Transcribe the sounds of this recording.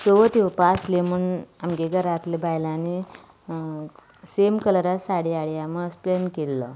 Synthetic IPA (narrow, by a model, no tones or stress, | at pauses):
t͡soʋət̪iʋpaslemuːnamɡeɡəɾat̪lebʱajlãni | semkələɾasaɽiaɽiaməəsplenkelːɔ